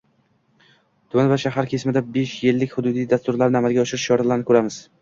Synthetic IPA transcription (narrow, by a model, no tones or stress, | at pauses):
d̪̥ʰɵnvaʃaɦaɾkʲʰe̞smɪd̪abeʃjelːɪkʲhʊd̪ʊd̪ijd̪ast̪ʊɾlaɾnɪamalɡʲaɒʃɪɾɪʃjɒɾalaɾnɪkʰɵɾamɪz̥